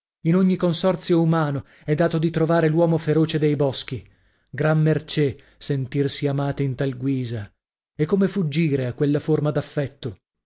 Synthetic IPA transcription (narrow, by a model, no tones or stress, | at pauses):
inoɲːikonsɔrt̪sjoumaːno | ɛd̪ːaːt̪od̪it̪ɾovaːɾelwɔːmofeɾoːt͡ʃed̪ejbɔsk̟i | ɡɾamːert͡ʃɛe | sent̪irsiamaːt̪eint̪alɡwiːza | ekːomefud͡ʒːiːɾeakːwelːaformad̪afːɛt̪ːo